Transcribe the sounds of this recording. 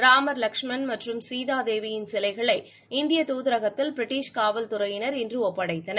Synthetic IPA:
ɾaːmɐɾlɐkʂmɐnmɐʈrɯmsiːðaːd̪eːʋɪjɪnsɛlɐɪɣɐɭɐɪ | ɪnd̪ɪjɐt̪uːðɪɾɐɣɐt̪ːɪlpɾɪʈːiːʂkaːʋɐlt̪ʊɾɐjɪnɐɾɪndrɯɔpːɐɽɐɪt̪ːɐnɐ

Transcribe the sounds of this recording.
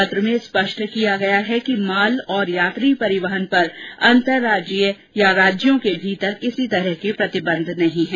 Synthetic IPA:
t̪ɾəmẽspɐʃʈʰkijaɡɐjaɦɛkimaːlɔːɾjaːt̪ɾipɐɾɪʋəɦənpɐɾɐ̃nt̪əɾːaːd͡ʒə | jaɾaːd͡ʒjõkebʱiːt̪əɾkɪsit̪ɐɾəɦkepɾɐt̪ɪbə̃nd̪ʱnɐɦĩɦɛ̃ː

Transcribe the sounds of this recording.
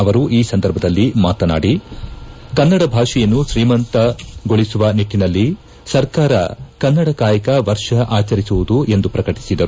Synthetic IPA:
ɐʋɐɾuʔiːsɐnd̪ɐɾbʱɐd̪ɐlːimaːt̪ɐna̰ːɽi | kɐnːɐɽɐbʱaːʂɛjɐnːuʃɾiːmɐnt̪ɐɡoɭisuʋɐniʈːinɐlːi | sɐɾkaːɾɐ̰kɐnːɐɽɐkaːjɐkɐʋɐɾʂɐʔaːt͡ʃɐɾisuʋud̪uʔe̞nd̪upɾɐkɐʈi̥sid̪ɐɾu

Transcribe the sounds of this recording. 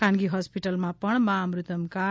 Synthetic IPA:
kʰanɡiɦʌspiʈʌlmapʌɳmamrut̪ʌmka

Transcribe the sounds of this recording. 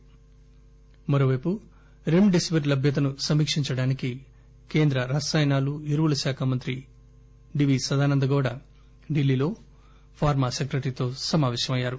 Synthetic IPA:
mɐɾoːʋɐjpu | ɾemɖesiʋɐɾlɐbʱjɐt̪̬ɐnusɐmːiːkʂiɲt͡ʃɐɽaːniki | ke̞ːnd̪ɾɐɾaːsaːjnaːluiɾuʋulɐʃaːkʰaːmɐnt̪ɾi | ɖiʋisɐd̪aːnɐnd̪ɐɡɔːɽɐ | ɖilːiːlo̞ː | pʰaːɾmaːsekɾeʈɾit̪o̞ːsɐmaːʋɛːʃɐmɐjːaːɾu

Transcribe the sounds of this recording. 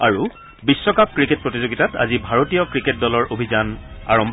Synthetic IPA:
a̰ɹu | bisːɔkap̚kɹiket̚pɹotizoɡitata̰zibʱaɹotijɔkɹiket̚dɔlɔɹʔobʱizana̰ɹɔmbʱ

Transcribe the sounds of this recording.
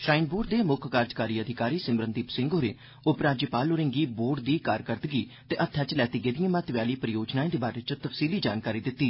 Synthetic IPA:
ʃɾaːɪnboːɖd̪eːmʊkʰkaːɾd͡ʒkaːɾiːəd̪ʱɪkaːɾiːsɪmbɾənd̪iːpsɪ̃ŋɡoːɾeː | ʊpɾaːd͡ʒəpaːloɾɪ̃ŋɡiːboːɖd̪iːkaːɾkəɾd̪əɡiː | t̪eːʔət̪ʰːjaːt͡ʃlɛːt̪iːɡed̪ijãːmãːt̪ʋjaːliːpəɾəjoːd͡ʒnaːẽːd̪eːbaːɾeːt͡ʃt̪əpʰsiːliːd͡ʒaːnkaːɾiːd̪ɪt̪ːiː

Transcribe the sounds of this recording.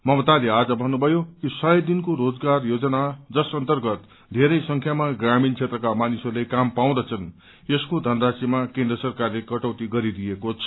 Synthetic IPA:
mʌmʌt̪alead͡zʌbʱʌnːubʱʌjokisʌjʌd̪inkoɾod͡zɡarjod͡zʌnad͡zʌsʌnt̪ʌrɡʌt̪ | d̪ʱeɾʌjsʌŋkʰjamaɡramint͡sʰet̪rʌkamanisorlekampaw̃d̪ʌt͡sʰʌn | eskod̪ʱʌnrasimakẽnd̪rʌsʌrkarlekʌʈʌwt̪iɡʌɾid̪ijekot͡sʰʌ̥

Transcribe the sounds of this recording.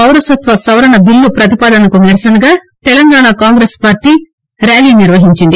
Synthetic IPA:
ɐwɾɐsɐt̪ʋɐsɐʋɐɾɐɳɐbilːupɾɐt̪ipaːd̪ɐnɐkuniɾɐsɐnɐɡaː | t̪ɛlɐŋɡaːɳaːkaːŋɡɾeːspaːɾʈːiː | ɾaːliːniɾʋɐɦiɲt͡ʃind̪i

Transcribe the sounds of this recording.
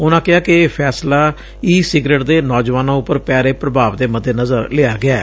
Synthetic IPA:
ʊnãːkɪɦaːkɪːpʰɛːslaː | iːsɪɡɾeːʈd̪eːnɔːd͡ʒʋaːnãːʊpəɾpɛːɾeːpɾəbaːʋd̪eːməd̪eːnəzəɾleaːɡɪaː

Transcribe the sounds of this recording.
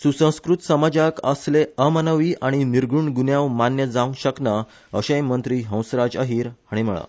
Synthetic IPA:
susə̃w̃skɾut̪səmad͡ʑakəsleəmənəʋiːʔaɽ̃iniɾɡʱuɳɡunjaʋmanjəd͡zaũŋɕəkna | əɕẽjmənt̪ɾiːɦə̃w̃sɾad͡ʑə̰ɦiːɾhaɽ̃im̤əɭa̰

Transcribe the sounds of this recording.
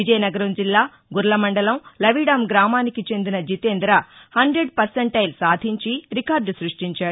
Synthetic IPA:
ʋid͡ʒɐjnɐɡɐɾɐmd͡ʒilːaː | ɡuɾlɐmɐɳɖɐlɐmlɐʋiːɽɐmɡɾaːmaːnikit͡ʃe̞nd̪inɐd͡ʒit̪eːnd̪ɾɐhɐɳɖɾeɖ̚pɐɾsɐɳʈɐjlsaːd̪ʱiɲt͡ʃiɾikaːɾɖsɾuʂʈiɲt͡ʃaːɽu

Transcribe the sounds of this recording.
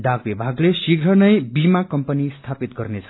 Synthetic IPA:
ɖakbibʱaɡlesiɡɾʌnʌjbimakʌmpʌnist̪ʰapit̪̚ɡʌrnet͡sʰʌ̥

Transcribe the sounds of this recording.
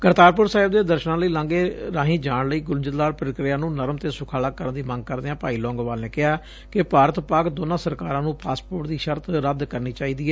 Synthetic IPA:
kəɾt̪aːɾpʊɾsaːɦɪbd̪eːd̪əɾʃənãːləiːlãːŋɡeːɾãːɦĩːd͡ʒaːɳləiːɡʊld͡ʒət̪d̪aːɾpɾkɾɪjãːnũːnəɾmt̪eːsʊkʰaːlaːkəɾənd̪iːmə̃ŋɡ̚kəɾd̪eːãːpaːiːlɔ̃ːŋɡʋaːlneːkɪɦaː | kɪpaːɾət̪paːɡd̪oːnãːsəɾkaːɾãːnũːpaːspoːʈd̪iːʃəɾt̪ɾəd̪kəɾniːt͡ʃaːiːd̪iːɛː

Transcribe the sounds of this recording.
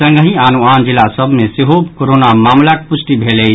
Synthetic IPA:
əŋɡəɦĩanuand͡ʒilasəbʱmẽseɦobkoɾonamaːmlak̚pusʈibʱele

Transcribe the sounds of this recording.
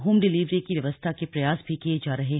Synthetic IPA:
ɦuːmɖɪliːʋɾĩkiʋjɐʋəst̪ʰakepɾɐjaːsbʱikijed͡ʒaːɾɐɦẽ

